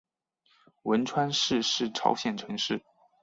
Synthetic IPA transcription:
wə˧˥nʈ͡ʂʰwa˥nʂɻ̩˥˧ʂɻ̩˥˩ʈ͡ʂʰɑ̰˧˥ʊɕjɛ˨˩nʈ͡ʂʰɤ˧˥ŋʂɻ̩˥˩

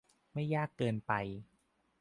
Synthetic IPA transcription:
ma˥˩jːaː˥˩kːɤː˧npa˧j

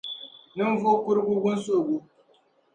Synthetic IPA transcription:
nɨ˦n˦vo˦kʷʊ˦ɾɡu˦ɡʊ˦n˦so˦˨ɡʷu˦

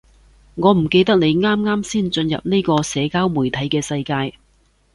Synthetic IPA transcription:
ŋɔː˨˧m̩˨˩ke˧jt̪ɐ˥k̚ne˨˧jŋaː˥mŋaː˥msiː˥˩nt͡ʃɵ˧njɐ̰˨p̚ne˥kɔː˧sɛː˨˧kaː˥wmuː˨˩jt̪ʰɐ˨˥jkɛː˧sɐ˧jkaː˧j

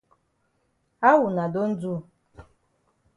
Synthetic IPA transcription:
a˦wu˨na˨do˦n̩˦d͡zu˦

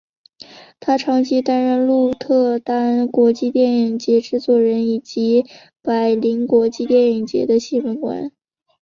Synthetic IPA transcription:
t̪ʰa˥ʈ͡ʂʰɑ˧˥ŋt͡ɕʰi˥t̪a˥nɻə˥˧nlu˥˧t̪ʰɤ˥˩t̪a˥nkwɔ˧˥t͡ɕi˥˧t̪jɛ˥˩ni˨˩ŋt͡ɕjɛ˧˥ʈ͡ʂɻ̩˥˧t͡swɔ˨˥˩ɻə˧˥ni˨˩t͡ɕi˧˥ | pa˨˩ɪli˧˥ŋkwɔ˧˥t͡ɕi˥˧t̪jɛ˥˩ni˨˩ŋt͡ɕjɛ̰˧˥d̪ə˧ɕi˥˩wə˧˥nkwa̰˧˥n

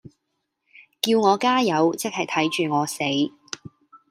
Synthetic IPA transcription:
kiː˧wŋɔː˨˧kaː˥jɐ˨˧wt͡sɪ˥k̚hɐ˨jt̪ʰɐ˨˥jt͡ʃyː˨˩ŋɔː˨˧se˨˥j

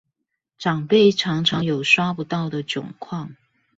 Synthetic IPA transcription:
ʈ͡ʂɑ˨˩ŋpe˥˩ɪʈ͡ʂʰɑ˧˥ŋʈ͡ʂʰɑ˧˥ŋjo˨˩ʊʂwa˥pu˧˥t̪ɑ˥˩ʊd̪ə˩t͡ɕʊ̰˨˩ŋkʰwɑ˥˩ŋ

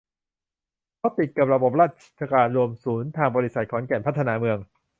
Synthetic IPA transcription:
kʰaː˦˥˩wt̪i˨˩t̪̚ka˨˩p̚ɾa˧bo˨˩p̚ɾaː˥˩t̪̚t͡ɕʰa˧kaː˧nɾu˧əmsuː˩˦nt̪ʰaː˧ŋbɔː˧ɾi˦˥sa˨˩t̪̚kʰɔː˩˦nkɛ˨˩npʰa˦˥t̪ʰːnaː˧˥mɯ˧əŋ

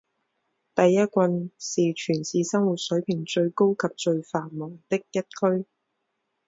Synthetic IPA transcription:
t̪ɐ˨jːɐ˥t̚kʷwɐ˧nsiː˨t͡ʃʰyː˨˩nsiː˨˧sɐ˥ŋwu˨˩t̚sɵ˨˥ɥpʰɪ˨˩ŋt͡ʃɵ˧ɥko˥wkʰɐ˨p̚t͡ʃɵ˧ɥfaː˨˩nmɔː˨˩ŋt̪ɪ˥k̚jɐ˥t̚kʰɵ˥ɥ

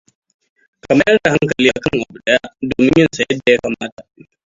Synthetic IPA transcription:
kɐ˨ma˦jʔɐ˦da˨ɦa˦ŋkɐ˨liː˦ʔa˨kɐ˦ŋʔa˨bu˨ɗɐ˦ja˦doː˨mɪ˦ɲjɐ˦nsɐ˨jɐ˦dːa˨ja˦ka˨maː˦ta˨

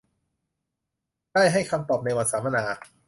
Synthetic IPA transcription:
daː˥˩jɦa˥˩jkʰa˧mt̪ɔː˨˩p̚na˧jwa˨˩t̪̚saː˩˦ma˧naː˩˦

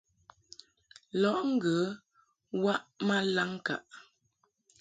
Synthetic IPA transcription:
lɔ˨˦ʔŋ̩˦ɡə˨˦ | wa˦ʔma˦la˦ŋ˦ka̰˨ʔ

